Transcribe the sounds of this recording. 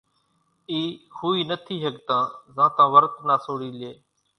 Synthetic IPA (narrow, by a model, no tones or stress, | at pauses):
iːhʰuːiːnət̪ʰiːɦəkt̪ãːzãːt̪ãːʋəɾt̪naːsoːɽiːlɪeː